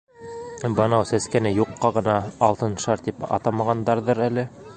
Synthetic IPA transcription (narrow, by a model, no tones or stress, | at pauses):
bɑnɑwsæskænɘjuqːɑʁɤ̆nɑːlˠt̪ɤnʃɑɾt̪ipɑ̰t̪ɑmɑʁɑnd̪ɑɾðɤɾælɘ